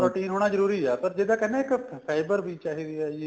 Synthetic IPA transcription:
ɾoːʈiːnɦoːɽ̃ad͡ʒɐɾuːɾiɛp̪ɐɾd͡ʒeːd̪akɐneːkpʰaːɪbəɾbʱit͡ʃaːɦid̪ia

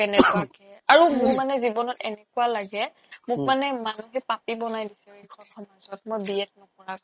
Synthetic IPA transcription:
kɛnɛkuakɛaɹumʊɹmanɛzibɔnɔtɛnɛkualaɡɛ | mʊk̚manɛmanuɦɛpapibɔnajdisɛekʰɔnxɔmazɔt̚mojbiɛt̚nɔkɔɹak

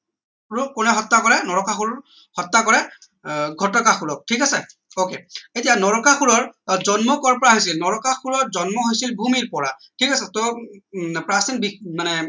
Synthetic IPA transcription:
ɹukʊnɛɦɔtːakɔɹɛnɔɹɔkaxuɹɔɹ | hɔtːakɔɹɛ | ɡʱɔtɔkaxuɹɔk̚tʰikasɛ | okeetijanɔɹɔkaxuɹɔɹzɔnmɔkɔɹpɔɹaɦojs̬ilnɔɹɔkaxuɹɔɹzɔnmɔɦojsilbʱumiɹpɔɹatʰikasɛtɔ | pɹasinbimanɛ

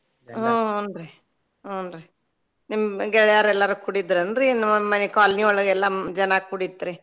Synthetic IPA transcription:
ɦonɾe | oːndɾe | nimɡɛɭɐjaːɾɛlːaɾukuɽid̪ɾɐnd̪ɾinimːɐmɐnekaːlniɔɭɐɡɛlːad͡ʒɐnakuɽit̪ːɾi

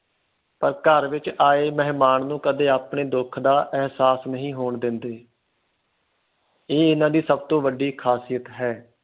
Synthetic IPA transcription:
pəɾkəɾʋɪt͡ʃaːeːməɦmaːnnũːkəd̪eːaːpɳeːd̪ʊkʰd̪aːʔɛɦsaːsnəɦĩːɦoːɳd̪ɪnd̪eː | eːɪnãːd̪iːsəb̚t̪õːʋəɖiːkʰaːsijət̪ɦɛː

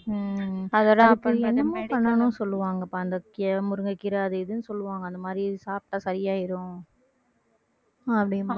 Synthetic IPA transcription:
ɐðɐːlapːɐɛnːɐmaːpɐɳːɐnʊ̃nsɔlːɯʋaːŋɡɐpːaːɐnd̪ɐkːɪɐmʊɾɯŋɡɐkːɪɾaːɐðɯɪðɯnɯsɔlːɯʋaːŋɡɐnd̪ɐmaːd̪ɾisaːp̚ʈaːsɐɾɪjaːɪɾʊ̃ | ɐpːɐɽɪ

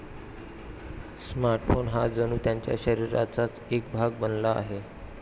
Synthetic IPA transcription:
smaɾʈfonɦad͡zənuːt̪jaɲt͡ɕja̰ɕəɾiɾa̰t͡sat͡sek̚bʱaɡ̚bənla̰ːɦe

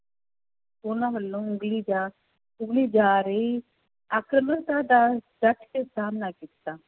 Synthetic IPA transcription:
ʊnãːʋəlːõːʊŋɡliːd͡ʒaː | ʊɡliːd͡ʒaːɾəiː | akɾəməɾt̪aːd̪aːdəʈʰkesaːmnaːkɪt̪ːaː

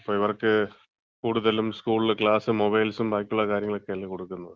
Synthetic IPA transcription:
pːoːɪʋɐɾɐkːɯ | kuːɽʊðɐlɯmskuːɭkɪɭaːsɯmɔbɐɪlsɯmbaːjkːɯɭːaːkaːɾɪjɐŋɡɐɭɯkːeːɭikɔɽɯkːɯnɐ

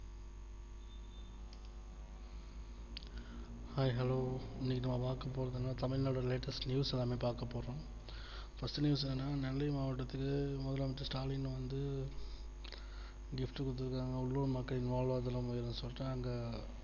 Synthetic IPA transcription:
hɐɪɦɛloːɪnːiːkːɯnɐmːɐpaːɾkɐpːoːɾɐðɯnːaːt̪ɐmɪɭnoːɽɐɾɪleːʈɐsʈnjuːsɛlːaːmeːpaːɾkɐpːoːɾõ | fɐsʈɯnjuːs̬ɛðɯnːaːnɐlːɐjmaːʋɐʈːɐt̪ːɯkːɯmʊðɐlaːmɐɪʈ̪ːɯsʈaːlɪnːɯʋɐnd̪ɯ | ɡɪfʈɯkːʊt̪̬ːɯɾkːaːŋɡɐʊɭːuːɳmɐkːɐɭɪnʋaːɭʋaːðɐlɐmʊjɐɾɐnɯsɔlːɪʈːɯɐŋɡɐ

